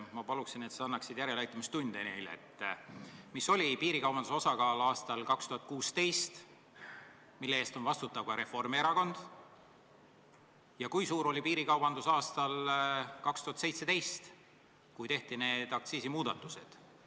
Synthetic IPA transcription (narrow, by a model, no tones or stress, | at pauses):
mɑpɑluksine̞t̪seɑnːɑksid̪̥jæɾelɑjt̪ːˑumist̪und̪̥ene̞jleḛt̪ːˑ | miso̞lʲipiːɾikɑwbɑnd̪uso̞sɑkɑːlɑːst̪ɑlkɑkst̪uhɑt̪̚ˑkuːst̪e̞jst̪ | milːeeːst̪o̞nvɑst̪ut̪ːˑɑvkɑɾe̞fo̞rmieɾɑko̞nd̪̥ | jɑkujsuːɾo̞lʲipiːɾikɑwbɑnd̪usɑːst̪ɑlkɑkst̪uhɑt̪sejt̪se̞t̪e̞jst̪ | kujt̪e̞ht̪ine̞ːd̪̥ɑk̚t̪siːsimuːd̪ɑt̪ːˑuse̞̰d̪̥